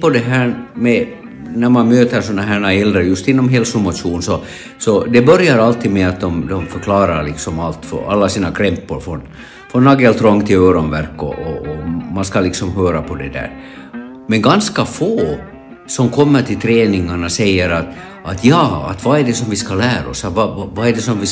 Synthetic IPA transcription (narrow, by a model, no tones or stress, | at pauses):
pɔd̪ɛɦæːɾmɛ | næɾmanmøːt̪əɾsɔnːaɦæːɳaɛld̪ɾəjɵst̪ɪnːɔmɦɛːlsʊmʊt̪ʂuːnsɔ | sɔd̪ɛbœɾjaɾalt̪iːd̪mɛat̪̚d̪ɔmd̪ɔmfœɾkʰlɑːɾaɾɭɪksɔmalt̪fɔ̰a̰lːasiːnakʰɾɛmpːʊɾfɾɔn | fɾɔnːɑɡɛlt̪ʰɾɔŋːt̪ʰɪløːɾɔnvæɾkːɔ̰ʔɔɔmanskalɪksɔmɦøːɾapʰɔd̪ɛd̪æ̰ːɾ | mɛnɡanskafoː | sɔmkʰɔmːəʈʰɪlt̪ʰɾeːnɪŋaɳasɛjːəɾat̪ | ʔat̪jɑːa̰t̪vɑæɖɛsɔmvɪskalæːɾ̰ɔ̰sɑvɑvɑɛɖɛsɔmvɪ